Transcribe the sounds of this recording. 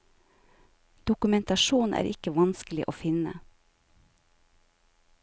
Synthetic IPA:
d̪̥ʊkʉmɛnt̪ɑʃuːnʔæ̰ːɾʔɪkəʋɑnsklɪʔoːfɪnə̰

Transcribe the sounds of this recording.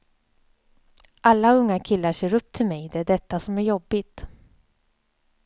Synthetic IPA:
ʔalːaɵŋːakʰɪlːaʂeːɾɵp̚ːt̪ʰɪlmɛjd̪ɛæɖɛt̪ːasɔmæɾjɔbːɪt̪

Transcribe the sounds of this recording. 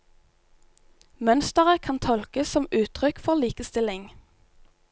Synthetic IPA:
mœnst̪əʁəkʰɑnt̪ʰɔlkəsɔmʉːt̪ʰʁʏkfɔʁliːkəst̪ɪlɪŋ

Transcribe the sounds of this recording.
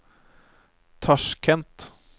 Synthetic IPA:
t̪ʰɑʂkʰɛnt̪

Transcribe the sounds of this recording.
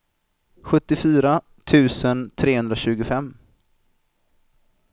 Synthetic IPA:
ɧɵt̪ːɪfyːɾa | t̪ʰʉ̟ːsənt̪ʰɾeːhɵnd̪ɾaɕʉ̟ːɡʊfɛmː

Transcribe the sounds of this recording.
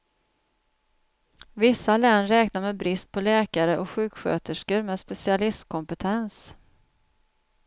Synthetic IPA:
vɪsːalɛnːɾɛːknaɾmɛbɾɪst̪̚pʰɔlɛːkaɾəʔɔkɧʉ̟ːkɧø̰ːt̪əʂkəɾmɛːspɛsɪalɪst̪kʰɔmpət̪ʰɛns

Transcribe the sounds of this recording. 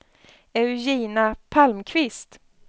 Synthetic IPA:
ɛʉjiːnapʰalmkʰvɪst̪

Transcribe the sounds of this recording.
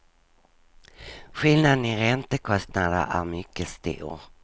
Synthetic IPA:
ɧɪlnad̪nɪɾɛnt̪əkʰɔst̪nad̪ə̰ɾʔæɾmʏkːəst̪ṵːɾ

